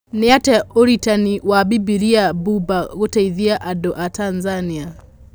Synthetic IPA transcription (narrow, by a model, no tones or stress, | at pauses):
neatɛoɾitaniwabibiɾiabubaɣotaiðiaʔadoʔatanzania